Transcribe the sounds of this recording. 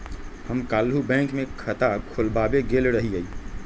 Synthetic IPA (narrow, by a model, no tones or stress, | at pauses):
həmkaːlɦubɛ̃ːŋkmẽkʰət̪akʰolbabeɡeːlɾəɦiəiː